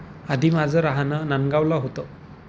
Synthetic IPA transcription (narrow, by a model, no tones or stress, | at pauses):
ad̪ʱimad͡zəɾaɦanənanɡawlaɦot̪ə